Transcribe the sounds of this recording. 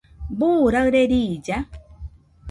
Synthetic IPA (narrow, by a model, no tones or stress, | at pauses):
buːɾəɣɾeɾid͡ʒa